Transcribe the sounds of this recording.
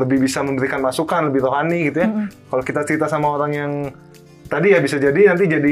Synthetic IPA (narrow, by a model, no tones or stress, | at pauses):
ləbɪhbisaməmbəɾikanmasukanləbɪhɾoɦaniɡit̪ujakalokit̪at͡ʃəɾit̪asamaoɾaŋjaŋ | t̪adijabisad͡ʒadinant̪id͡ʒadi